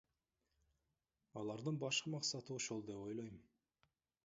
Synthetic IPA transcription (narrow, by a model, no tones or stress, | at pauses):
ɑlˠɑɾd̪ɯnbɑʃqəmɑqsɑt̪ɨoʃo̞lˠd̪e̞po̞jlˠo̞jm